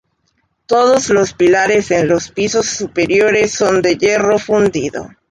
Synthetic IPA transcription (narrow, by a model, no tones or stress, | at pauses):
t̪o̞ðozlo̞spilaɾe̞senlo̞spiso̞sːupeɾjo̞ɾesːo̞nd̪e̞ʝero̞fund̪iðo̞̰